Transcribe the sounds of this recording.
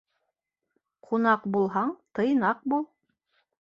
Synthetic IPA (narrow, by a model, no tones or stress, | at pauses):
qʰunɑqbulˠɦɑɴt̪ɤ̆jnɑq̚bulˠ